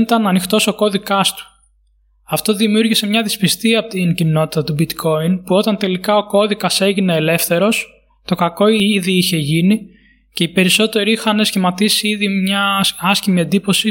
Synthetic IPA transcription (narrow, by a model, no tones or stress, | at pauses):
it̪ɐnɐnixt̪o̞so̞ko̞ðikɐst̪u̥ | ɐft̪o̞ðimiuɾʝise̞mɲɐðispist̪iɐpot̪incino̞t̪i̥t̪ɐt̪ubit̪kʰo̞inpuo̞t̪ɐnt̪e̞likɐo̞ko̞ðikɐse̞ʝine̞ːle̞fθe̞ɾo̞s | t̪o̞kɐko̞iðiiçe̞ʝini | ce̞ipe̞ɾiso̞t̪e̞ɾiixɐne̞sçimɐt̪isiiðimɲɐɐscimie̞nd̪ipo̞si